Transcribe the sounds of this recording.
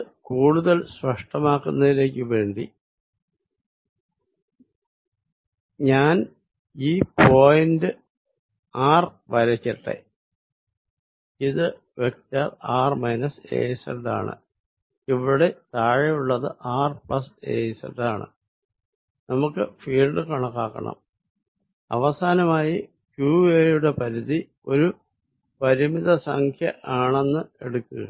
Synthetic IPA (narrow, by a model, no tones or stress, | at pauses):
kuːɽuðɐlsʋɐʂʈɐmaːkːunːɐðile̞ːk̬ʲːɨʋe̞ːɳɖi | ɲaːn | iːpo̞ːjindɨ | aːr | ʋɐɾɐt͡ɕːɐʈːḛ | iðɨ | ʋek̚taraːrmɐjnɐse̞̰ːjsɐ̰ɳɖa̰ːɳɨ̰ | iʋiɽe̞t̪aːɻɐjuɭːɐðɨʔaːrplɐse̞̰ːsɐ̰nɖaːɳɨ̰ | nɐmukːɨfiːlɖɨkɐɳɐkːaːkːɐ̰ɳɐ̰m | ɐ̰ʋɐsaːnɐmaːji | kjuːejuɽe̞pɐɾiði | o̞ɾu | pɐɾimiðɐsɐŋkʰjɐ̰ʔaːɳe̞nːɨe̞ɽukːuɣɐ̰